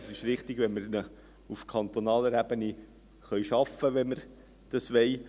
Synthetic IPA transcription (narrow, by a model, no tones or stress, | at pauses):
sɪʃɾɪχt̪ɪɡ̥ʋɛnməɾnə | ufkʰɑnt̪onɑːləɾæbəni | χœʏʃɑfəʋɛnməɾ | d̥ɑsʋɛɪ